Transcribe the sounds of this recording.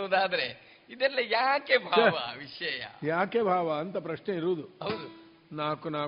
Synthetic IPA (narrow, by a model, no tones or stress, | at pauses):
oːd̪aːd̪ɐɾe | id̪ɛlːɐjaːkebʱaːʋɐʋiʂɛjɐ̰jaːkeːbʱaːʋɐːnt̪ɐpɾɐʂneiɾuːd̪uɦɐwd̪u | naːkunaː